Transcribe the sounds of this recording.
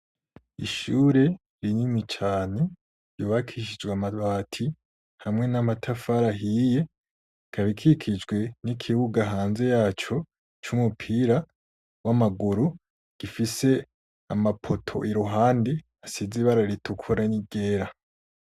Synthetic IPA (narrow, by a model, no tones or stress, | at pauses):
iʃuːɾe̞ | ɾinimit͡ʃaːne̞ | ɾjoːβakʰiʃid͡ʒɡwamaβaːtʰi | hamŋe̞namatʰafaɾaɦije̞ | kʰaβikʰikʰid͡ʒɡwe̞nikʰiβuɡaɦaːnze̞jaːt͡ʃo̞ | t͡ʃumupʰiɾa | wamaɡuɾu | ɡ̥ifise̞ | amapʰotʰo̞̰ʔiɾuɦaːndi | asiziβaɾaɾitʰukʰuɾaniɡeːɾa